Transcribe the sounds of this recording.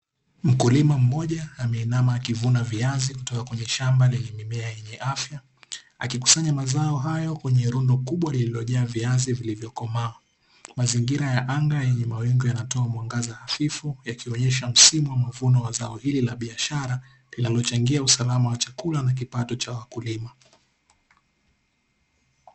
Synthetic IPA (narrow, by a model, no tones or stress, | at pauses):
m̩kulimam̩mɔʄaːmɛinamaːkivunaviazikutɔkakwɛɲɛʃambalɛɲɛmimɛajɛɲɛʔafja | a̰kiku̥saɲamazaɔɦajɔkwɛɲɛɾundɔkuɓwalililɔʄaːviazivilivjɔkɔmawa | maziŋɡiɾajaʔaŋɡajɛɲɛmawɛŋɡɔjanatɔamwaŋɡazahafifujakʰiɔɲɛʃam̩simuwamavunɔwazaɔhililaɓiaʃaɾa | linalɔt͡ʃaŋɡiausalamawat͡ʃakulanak̬ipatɔt͡ʃawakulima